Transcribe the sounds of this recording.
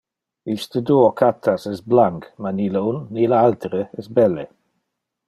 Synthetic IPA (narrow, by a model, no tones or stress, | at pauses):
ist̪əd̪uːokʰat̪ʰasɛsblaŋkmaniləunːilaalt̪əɾəɛsbɛlːe